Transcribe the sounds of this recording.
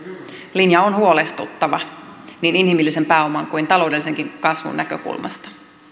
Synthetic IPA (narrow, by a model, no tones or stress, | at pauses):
linjɑonhuo̞lest̪ṵt̪ːɑʋɑniːninhimilːise̞mpæːo̞mɑŋkuint̪ɑlo̞wdelːise̞ŋkiŋkɑsʋṵnːækø̰kṵlmʔɑ̰st̪ɑ̥